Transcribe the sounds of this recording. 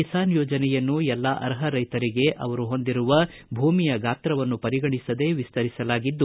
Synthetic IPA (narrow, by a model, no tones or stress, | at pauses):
isaːnjɔːd͡ʒɐnɛjɐnːujɛlːaʔɐ̰ɾɦɐɾɐjt̪ɐɾiɡe̞ʔɐʋɐɾuɦo̞nd̪iɾuʋɐ | bʱuːmijɐɡaːt̪ɾɐʋɐnːupɐɾiɡɐɳisɐd̪e̞ʋist̪ɐɾisɐlaːɡid̪ːu